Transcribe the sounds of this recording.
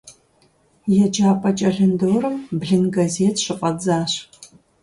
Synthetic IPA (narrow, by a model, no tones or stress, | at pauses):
jɛd͡ʒaːpʼɐt͡ʃʼɐɮɨndoːɾɨmbɮɨnɡɐzeːtʰɕɨqʼɐd͡zaːɕ